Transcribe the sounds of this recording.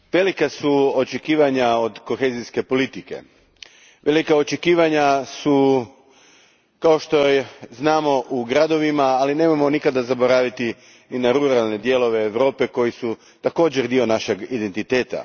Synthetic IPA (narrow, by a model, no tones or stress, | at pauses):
ʋe̞likasuot͡ʃe̞kiːʋaɲao̞d̪ko̞xe̞ːziske̞po̞lit̪ike̞̰ | ʋe̞likaot͡ʃekiːʋaɲasu | kao̞ʃt̪o̞znaːmo̞ʔuɡɾad̪o̞ʋimaːline̞ːmamo̞nikad̪azabo̞ɾaːʋit̪i | ninaɾuɾalˠne̞d̪je̞lo̞ʋe̞ːʋɾo̞ːpe̞ko̞jisu | t̪ako̞ːd͡ʑeɾd̪io̞naʃe̞ɡid̪ent̪it̪e̞ːt̪a̰